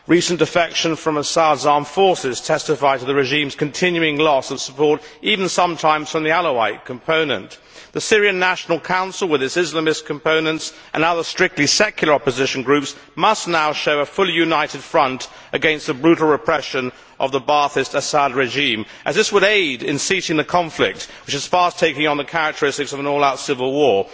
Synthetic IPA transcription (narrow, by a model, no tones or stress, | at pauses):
ɹisndɨfɛkʃɨ̃nfɹʌ̃məsədzɑɹɱfɔɹsɪz̥tʰɛstɨfaɪtʰəðɨɹɨʒĩmz̥kɨ̃ntʰɪ̃njʉɪ̃ŋlɔsʌv̥sə̥pʰɔɹɾʔivn̩sʌ̃mtʰãɪ̃mz̥fɹʌ̃mðiælˠəwaɪt̚kʰmpʰõʊ̃nɨ̰̃n | ðɨsɪɹiɨ̃nːæʃn̩l̩ˠkʰãʊ̃nsl̩ˠwɨðɨtsɪzləmɨskʰm̩pʰõʊ̃nɨ̃nts | ʔɨ̃nʌðə˞stɹ̥ɪk̚tˡlisɛkʰjl̩ˠə˞ɑpɨzɪʃn̩ɡɹʉps | mʌstⁿnaʊʃoʊəfʊlˠijʉnaɪɾɨd̥fɹʌ̃nt | ʔɨɡɛ̃nst̪̚ðəbɹʉɾl̩ˠɹɨpʰɹ̥ɛʃɨ̃n | ʔʌ̰vðəbɑɹθɨstɨsæd̚ɹɨʒĩm | ʔɨzðɪswəɾeɪɾɪ̰̃nsiɾɪ̃ŋðɨkʰɑ̃ɱflɪ̰k̚t̚wɨt͡ʃɨz̥fɑstʰeɪkɪ̃ŋə̃nðɨkʰæɹɨk̚tʰə˞ɪstɨksʌvə̃nɔlˠaʊtsɪvəl̩ˠwɔɹ